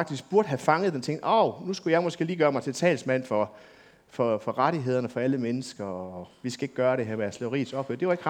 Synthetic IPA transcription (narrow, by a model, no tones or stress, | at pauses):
ɡ̥d̥isɡ̥̚b̥uɐd̥ɦæfɑ̈ŋəð̩ˠdent͡sʰeŋ̰d̥ɒʊnusɡ̥ujɑ̈ɪmɒ̽sɡ̥e̝̰ːliːɡ̥ɶːɐmɑɪt͡sʰe̝lt͡sʰɛ̰ːlsmæn̰fɒ̽ | fɒ̽fɒ̽ʁɑɾ̥iɦe̝ð̞̰ˠɐnəfɒ̽æləmenəsɡ̥ɐɒʋisɡ̥æe̝ɡ̥̚ɡ̥ɶːɐɾe̝ɦeɐmeæsleʊʁḭːsɒ̽b̥høɐd̥e̝ʋɑ̈e̝ɡ̥